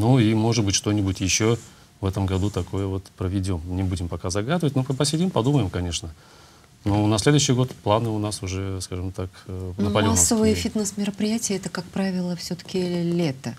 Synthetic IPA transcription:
nuimo̞ʐɨt̪̚bɨtʲʂt̪o̞nʲɪbʊtʲjɪɕːo | vɛt̪əmɡɐd̪ut̪ɐko̞jəvo̞t̪pɾəvʲɪdʲo̞mnʲɪbudʲɪmpɐkazɐɡad̪ɨvətʲnuəpəsʲɪdʲimpɐd̪uməjɪmkɐnʲe̞ʂnə | nonɐsʲlʲe̞d̪ʊjɕːɪjɡo̞t̪plˠanɨʊnasʊʐɛskaʐɨmt̪akːnəpɐlʲmʲasːəvɨjəfʲit̪nəsmʲɪɾəpɾʲɪjætʲɪjəɛt̪əkak̚pɾavʲɪlˠəfsʲot̪ə̥kʲɪlʲet̪ə

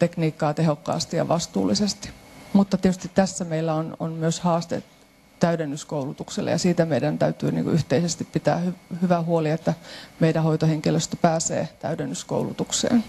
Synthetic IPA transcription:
t̪ekniːkːɑːt̪eɦokːɑ̰ːst̪ijɑ̰ʋɑst̪ṵːlːˑisest̪i̥mut̪ːɑt̪iet̪yst̪it̪tæsːæmeilːæononmyøshɑːst̪ḛ | t̪æyɾenːyskoulut̪ukselːḛjɑ̰siːt̪æmeidænt̪æyt̪y̰ːnḭŋkṵʔyht̪eisest̪ippit̪æ̰ːhyhyʋæhuoliet̪ːæmeiɾæhojt̪oheŋkiløst̪æ̥pæːsḛːt̪æ̰yɾenːysko̰ulṵt̪uksḛːn

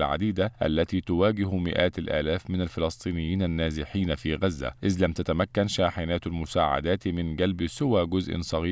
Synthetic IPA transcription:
lʕa̰d̪iːd̪aʔa̰lːat̪iːt̪ʊwaːɡɪɦmɪ̰ʔaːt̪alʔa̰ːlaːfmɪnalfɪlɑsˤt̪ˤiːnɪjːiːnanːaːzɪħiːnafiːɣazːa̰ʔɪðlamt̪at̪amakːanʃaːħɪnaːt̪almʊsaːʕa̰d̪aːt̪mɪnɡalbsʊwaːɡʊzʔɪ̰nsˤɑɣiː

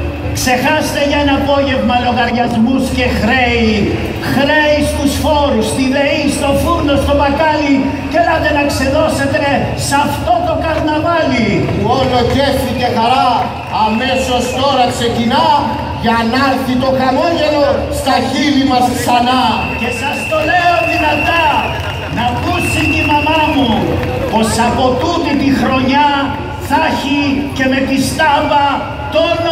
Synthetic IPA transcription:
kse̞xɐst̪e̞ʝɐenɐːpo̞ʝe̞vmɐlo̞ɣɐɾʝɐzmusce̞xɾe̞i | xɾeist̪usfo̞ɾust̪iðeist̪o̞fund̪o̞st̪o̞vɐkɐli | celɐðenɐkseðo̞se̞t̪e | sɐft̪o̞t̪o̞kɐɾnɐvɐlipuolo̞ceθice̞xɐɾɐː | me̞so̞st̪o̞ɾɐkse̞cinɐ | ʝɐnɐɾθit̪o̞kɐloʝe̞lo̞st̪ɐçilimɐsksɐnɐ | ce̞sɐst̪o̞leoðinɐt̪ɐ | nɐkusit̪imɐmɐmu | po̞sɐpo̞t̪ut̪it̪ixɾo̞ɲɐ | θɐçice̞me̞t̪ist̪ɐvɐ | t̪ol

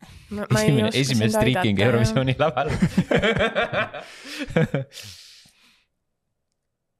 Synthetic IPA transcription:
emeʔe̞s̬imest̪ɾiːkiŋɡ̥e̞wɾovisio̞ːnʲilɑvɑl

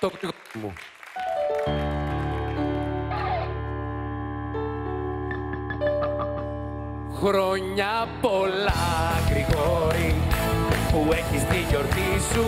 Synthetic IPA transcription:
okt̪iɣ | mṵ | xɾoɲɐpolɐɣɾiɣoɾi | pueçist̪iʎoɾt̪isu

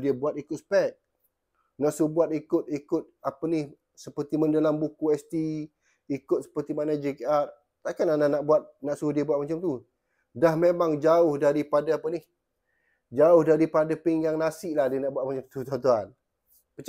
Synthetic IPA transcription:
diəbuat̪ikʊt̪̚spɛt̪̚ | naʔsubuat̪̚ikʊt̪̚ikʊt̪̚apənih | səpərt̪iməndalambukuɛst̪i | ikʊt̪̚sə̥pərt̪imanad͡ʒekear | t̪akanananaʔbuat̪̚naʔsuhdiəbuat̪̚mat͡ʃamt̪u | dahmemaŋd͡ʒaʊhdaɾipadaapənih | d͡ʒaʊhdaɾipadapiŋjaŋnasɪʔlahdiənaʔbuat̪̚mat͡ʃamt̪ut̪at̪̬uan | pət͡ʃ

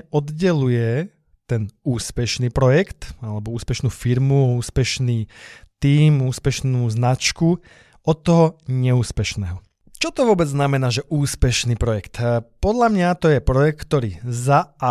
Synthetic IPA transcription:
ɔd̪ɟɛlujɛ | t̪ɛnuːspɛʃniːpɾɔjɛkt̪alɛbɔuːspɛʃnuːfiɾmuuːspɛʃniːt̪iːmuːspɛʃnuːznat͡ʃku | ɔt̪ːɔɦɔɲɛuːspɛʃnɛːɦɔ | t͡ʃɔt̪ɔʋʊɔbɛd͡zznamɛnaːʒɛʔuːspɛʃniːpɾɔjɛkt̪pɔd̪ʎamɲat̪ɔjɛpɾɔjɛkt̪kt̪ɔɾiːzaa

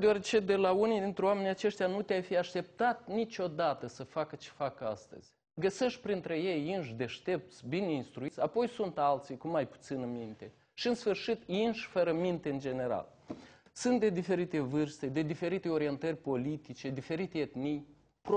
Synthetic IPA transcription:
d̪eaɾet͡ʃe̞d̪e̞launijd̪int̪ɾeoame̞nʲat͡ʃe̞ʃt̪ʲjanut̪eajfijaʃt̪e̞p̚t̪at̪nit͡ʃo̞d̪at̪əsəfakət͡ʃe̥fakəa̰st̪ə̰z̥ʲ | ɡəse̞ʃt̪̚ʲpɾint̪ɾeje̞jinʃd̪e̞ʃt̪e̞p̚t̪sʲbine̞inst̪ɾuit̪sʲapo̞jsunt̪alt̪sijkumajpu̥t̪sinɨmint̪e̞ | ʃiɨnsfɨrʃit̪jinʃfəɾəmint̪e̞ɨnd͡ʒe̞ne̞ɾa̰l | sunt̪̚d̪e̞d̪ife̞ɾit̪e̞vɨrst̪e̞d̪e̞d̪ife̞ɾit̪e̞o̞ɾie̞nt̪ərʲpo̞lit̪it͡ʃe̞d̪ife̞ɾit̪e̞jet̪nij | p

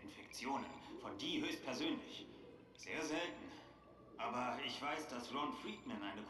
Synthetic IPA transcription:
ɪnfɛkt͡sjoːnə̰nfɔndiːɦøːçst̚pʰɛɐzøːnlɪç | z̥eːɐzɛltn̩ | ʔaːbɐɪçv̥aɪsd̥asb̥lɔntfʁiːtmɛnʔaɪnəkʰ

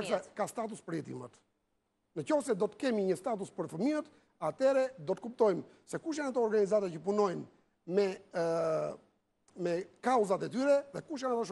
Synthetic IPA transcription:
ksɛkast̪at̪̬uspəɾjɛt̪ḭmət̪ | nəcɔfsɛd̪ɔt̪ə̥kɛmiɲəst̪at̪uspəɾfəmiət̪ | at̪ɛɾɛd̪ɔt̪ə̥kup̚t̪ɔjm | sɛkuʃ̬anat̪ɔɔɾɡanizat̪acəpunɔjn | mɛ | mɛkauzat̪ɛt̪yɾɛðɛkuʃ̬janat̪aʃ

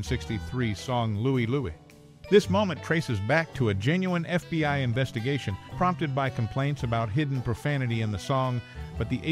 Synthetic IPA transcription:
nsɪkstiθɹisɔ̃ŋluiluḭ | ðɪsmõʊ̃mɨ̃ntʰɹ̥eɪsɨzbæk̚tʰəɨd͡ʒɛ̃njuɨ̃nɛfb̥iaɪɨ̃ɱvɛstɨɡeɪʃɨ̃npʰɹ̥ɑ̃mp̚tɨd̚baɪkʰm̩pʰl̥ẽɪ̃ntsɨbaʊt̚ɦɪdⁿn̩pʰɹ̥ɨfænɨɾiɨ̃nðɨsɔ̃ŋb̥ʌt̪̚ðiʔeɪ

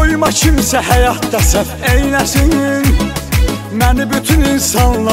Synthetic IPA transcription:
ojmɑcʰimsæhæjɑt̪ːæsæfejnæsinn | mænibyt̪ʰyninsɑnlˠɑ

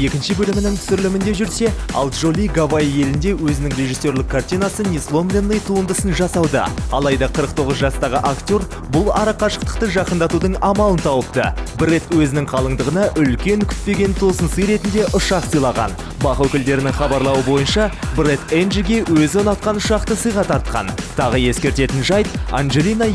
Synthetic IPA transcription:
e̞kʲɪnʃɪbɵlɪmɪnɪŋt̪ʰsʏɾlɪmɪnd̪e̞ʒʏɾse̞ɑ̰lˠʒolʲijɡavajje̞lɪnd̪e̞wɵzɪnɪŋrʲe̞ʒisːe̞rlɪkʰːart̪ʲijnɑsənʲislˠo̞mlʲenːejt̪ʰuənd̪əsənʒɑsɑwd̪ə̰ɑlˠɑjd̪ɑqʰəɾəqt̪ʰo̞ʁəzʒɑst̪ɑʁəʔakt̪ʲo̞ɾ | bʊlˠɑɾɑqʰɑʃə̥q̚t̪ə̥q̚t̪əʒɑqənd̪ɑt̪ud̪əɴɑmɑlˠənt̪ʰɑwəp̚t̪ə̰bɪɾe̞t̪wɵzɪnɪŋqʰɑlˠəɴd̪əʁənɑʔʏlkʲe̞ŋkʲʰʏ̥t̪̚pe̞ɡʲe̞nt̪ʰo̞sənsəjɾe̞t̪ɪnd̪e̞ʔʊʃɑqsəjlˠɑʁɑ̰n | bɑχwɵkʲɪld̪e̞ɾɪnɪŋχɑbɑɾlˠɑwəbo̞jənʃɑbɾe̞t̪enʒiɡʲe̞wɵzɪonɑt̪̚qɑnʊʃɑqt̪əsəjʁɑt̪ʰɑɾt̪̚qɑ̰nt̪ʰɑʁəje̞skʲe̞ɾt̪e̞t̪ɪnʒɑjt̪̚anʒe̞lʲˠinɑ

